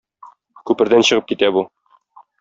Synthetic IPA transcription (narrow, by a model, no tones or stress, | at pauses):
kʉpɘ̆ɾd̪ænɕɤ̆ʁɤp̚kit̪æbu